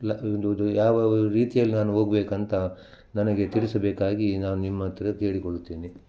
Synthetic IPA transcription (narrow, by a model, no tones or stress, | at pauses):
lɐnd̪od̪ujaːʋɐɾiːt̪ijɐlːinaːnuɦoːɡɐbeːkɐnt̪ɐ | nɐnɐɡe̞t̪iɭisɐbeːkaːɡinaːnunimːɐt̪ːɐɾɐke̞ːɭikoɽut̪ːeːni